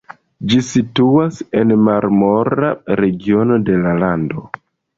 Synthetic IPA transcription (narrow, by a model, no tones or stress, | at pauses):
d͡ʒisituase̞nmaɾmo̞ɾa̰ɾe̞ɡio̞no̞de̞lalando̞